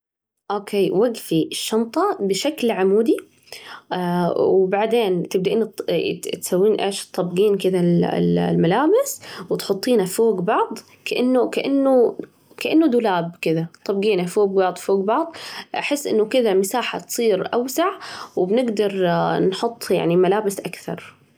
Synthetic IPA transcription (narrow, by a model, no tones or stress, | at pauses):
ʔoːkeːwaɡfiɪʃːɑmt̪ˤɑbɪʃaklʕamuːd̪i | wbaʕd̪eːnt̪ɪb̚d̪aʔiːnːt̪t̪sawːiːnʔḛːʃt̪ˤːɑbɡiːnkɪd̪al̰llmalaːbɪswɪt̪ħʊt̪ˤːiːnafoːɡbɑʕd̪ˤ | kaʔanːukaʔanːu | kaʔanːud̪ʊlaːb̚kɪd̪at̪ˤːɑbɡiːnafoːɡbɑʕd̪ˤfoːɡbɑʕd̪ˤʔaħɪsːʔɪ̰nːʊkɪðamɪsaːħa̰t̪sˤiːɾʔawsaʕwɪbnɪɡd̪ɑɾˤnħʊt̪ˤːja̰ʕnimalaːbɪsʔakθɑ̰ɾˤ